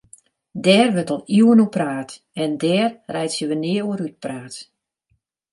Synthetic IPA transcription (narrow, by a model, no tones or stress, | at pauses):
dɛːrʋətɔlˠiwənupraːt | ɛndɛːrrɛjtsjəʋənɪːəuəɾyt̚praːt